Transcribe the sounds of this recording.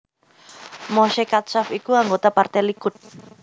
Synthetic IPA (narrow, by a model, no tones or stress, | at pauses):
mɔʃekat̪̚safikuaŋɡot̪apart̪ɛlikʊt̪̚